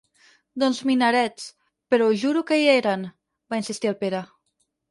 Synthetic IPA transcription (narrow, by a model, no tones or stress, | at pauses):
d̪ɔnzminaɾɛt͡s | peɾɔuʒuɾukeieɾan | bainsist̪ialˠpeɾa